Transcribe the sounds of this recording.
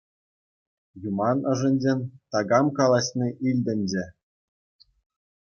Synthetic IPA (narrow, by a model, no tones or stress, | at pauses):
jumɑnɤ̆ʐɘ̆nʲd͡ʑenʲt̪ɑɡɑmkɑlˠɑɕnʲiʔilʲdʲɘ̆nʲd͡ʑɘ̆